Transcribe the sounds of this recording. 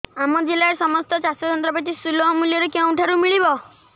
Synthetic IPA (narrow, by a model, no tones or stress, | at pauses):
amɔd͡ʒilaɾsɔmɔst̪ɔt͡ʃasɔtɔnt̪ɾɔpɔt̪isulɔɦɔmuljɔɾekew̃ʈʰaɾumiɭibɔ